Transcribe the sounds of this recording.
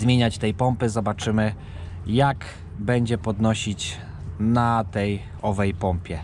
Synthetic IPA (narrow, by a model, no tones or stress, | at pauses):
zmʲjeɲat͡ɕt̪ɛjpɔmpɘzɔbat͡ʂɘmɘ | jak | bɛɲd͡ʑɛpɔd̪nɔɕit͡ɕ | nat̪ɛj | ɔvɛjpɔmpʲjɛ